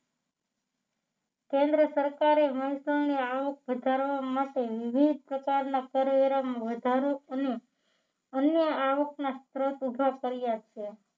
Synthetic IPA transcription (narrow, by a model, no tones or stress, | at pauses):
kẽnd̪ɾəsəɾkaɾeməɦisəneaʋək̚ʋəd̪ʱaɾʋamaʈeʋɪbʱid̪̚ʱpɾəkaɾnakəɾʋeɾamʋəd̪ʱaɾoəne | ənjəaʋəknast̪ɾot̪ubʱakəɾijaʃe